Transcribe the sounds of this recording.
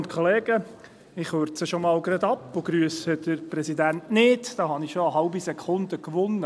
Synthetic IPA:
ntkʰɔleːɡ̥ə | ɪχhøɾtt͡səʃomɑːlɡɾɑd̪ɑpːʊɡ̥ɾyəsədəɾpɾɛsidæntnɪdd̥ɑːɦɑnɪχʃoəɦɑlbisɛkʰχʊnd̪əkʋʊnːə

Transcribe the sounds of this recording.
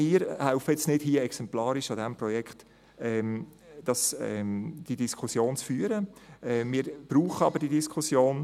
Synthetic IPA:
miːɾhaʊfəɛt͡snɪd̥hiəɛksɛmplɑːɾɪʃɑdɛmprɔjɛkχt | ɛm | d̥ɑsɛ̰d̥idiskʰusjoːnt͡sfyːəɾəɛmiːɾb̥ɾuːχəɑbəɾd̥idiskʰχusjoːn

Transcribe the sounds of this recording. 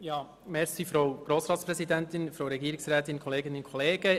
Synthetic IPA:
jɑː | mɛɾsifɾoʊɡ̥ɾoːsɾɑːt̪spɾɛsidɛntɪnfɾowɾɛɡiːɾɪksɾɛːtɪnkʰɔleːɡɪnɪnkʰɔleːɡə

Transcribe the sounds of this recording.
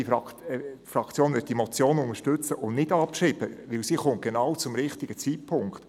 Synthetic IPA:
iɑfɾɑkt͡sjoːnʋɪd̚dimɔt͡sjoːnʊŋəʃtʉt͡səʔʊnnɪdɑpʃɾibəʋɪlsiːχʊnt̚ɡ̥enɑwt͡sʊmɾɪχtɪɡ̥ət͡sitpʰʊŋkt

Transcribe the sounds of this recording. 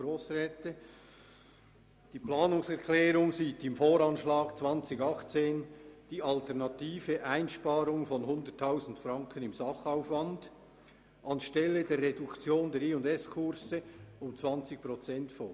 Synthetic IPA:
ɾoːsʁɛːtə | d̥iːplɑːnʊŋsɛʁkʰlɛːɾʊŋziːtɪmfoːɾɑnʃlɑːɡ̥t͡sv̥ɑnt͡sɪçɑχt͡seːnd̥iːɑltɛʁnɑtʰiːvəʔaɪnʃpɑːɾʊŋfɔnɦʊndətʰːaʊzn̩tfrɑŋkʰənɪmzɑχaʊfvɑnd | ʔɑnʃtɛlːədɛːrːedʊkt͡sjoːndɛːɾiːʊndɛskʰʊɾsəʊmt͡svɑnt͡sɪçpʁot͡sɛntfoː

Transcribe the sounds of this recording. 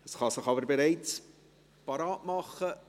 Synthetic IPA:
əsχɑsɪχɑbəɾbeɾaɪt͡s | pɑɾɑːtmɑχə

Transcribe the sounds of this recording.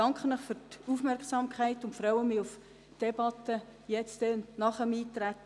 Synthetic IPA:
ɑŋkχənəχfʏɾtufmɛrksɑmkʰχæɪtʊntfɾɑʊəmɪuf | d̥ɛbɑtəjɛt͡stɛnɑχəmiːt̪ɾæt

